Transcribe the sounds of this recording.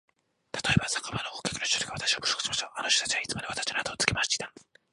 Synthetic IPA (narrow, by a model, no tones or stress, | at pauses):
t̪ḁt̪o̞ebasḁkabanooːkʲḁkinoi̥t̪oɾi̥ɡaβat̪ḁɕi̥ako̥so̥kɯ̥smosoʔanoɕo̥t̪ḁt͡ɕiβait͡sɨmad̪eat̪ḁt͡ɕinoat̪oːt͡sɨ̥kemaɕi̥t̪a